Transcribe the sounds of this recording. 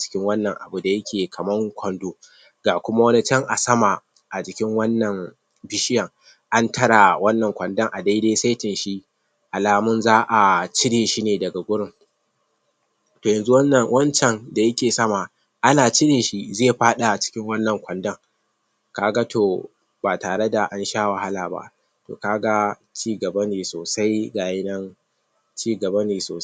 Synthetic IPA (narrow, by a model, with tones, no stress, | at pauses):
t͡ʃɪ̥˦kʲɪ˦ŋwɐ˦nːɐ˨ŋʔa˨bu˨da˨jɐ˦kʲʰeː˨kʰɐ˨mɐ˦ŋkʷɐ˨ndoː˦ | ɡaː˨kʷʊ˦ma˦wɐ˦ni˦t͡ʃɐ˦ŋʔa˨sɐ˦ma˨ | ʔa˨d͡ʒɪ˦kʲɪ˦ŋwɐ˦nːɐ˨ŋ | bɪ˦ʃɪ˦jɐ˨ŋ | ʔa˦ntɐ˦ɽa˨wɐ˦nːɐ˨ŋkʷɐ˨ndɐ˦ŋʔa˨da˦jdeː˦sa˦jtɪ˨nʃi˦ | ʔa˨laː˨mʊ˦nzaː˦ʔa˨t͡ʃɪ˦ɽeː˨ʃi˦neː˨dɐ˨ɡa˨ɡʷʊ˦ɽɪ˦ŋ | toː˨jɐ˨nzu˦wɐ˦nːɐ˨ŋwɐ˦nt͡ʃɛ˨nda˨jɐ˦kʲeː˨sɐ˦ma˨ | ʔa˦naː˨t͡ʃɪ˦ɽeː˨ʃi˦zeː˦˨ɸaː˦ɗa˨t͡ʃɪ̥˦kʲɪ˦ŋwɐ˦nːɐ˨ŋkʷɐ˨ndɐ˦ŋ | kaː˦ɡa˦tʰoː˨ | baː˨taː˨ɽe˦da˨ʔa˦nʃaː˦wɐ˨ha˦laː˨ba̰˦ʔ | to̰ː˨kaː˦ɡa˦ | t͡ʃiː˦ɡɐ˨bɐ˦neː˨soː˨sa˦jɡaː˨jɪ˦nɐ˦n | t͡ʃiː˦ɡɐ˨bɐ˦neː˨soː˨